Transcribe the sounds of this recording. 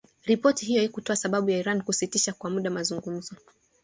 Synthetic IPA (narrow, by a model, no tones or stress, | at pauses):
ɾipɔtiɦijɔikutɔasaɓaɓujaiɾankusitiʃakwamuɗamazuŋɡum̩zɔ